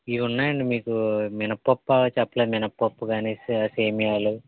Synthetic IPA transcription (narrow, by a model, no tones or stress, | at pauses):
iʋunːaːjɐɳɖimiːkuminɐpːopːaːt͡ʃɐpːlɐmɪnɐpːopːuɡaːneːsiaseːmijaːlu